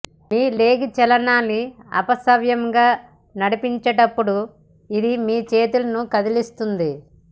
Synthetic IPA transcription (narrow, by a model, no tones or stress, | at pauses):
miːle̞ːɡit͡ʃɛlɐnaːnːiɐ̰pɐsɐʋjɐmɡaː | nɐɽipiɲt͡ʃɐʈɐpːuɽu | id̪imiːt͡ʃe̞ːt̪ulɐnukɐd̪ilist̪und̪i